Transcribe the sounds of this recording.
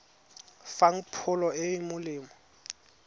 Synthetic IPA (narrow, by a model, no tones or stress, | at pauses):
faŋ̩pʰʊlɔɪmʊlɪːmɔ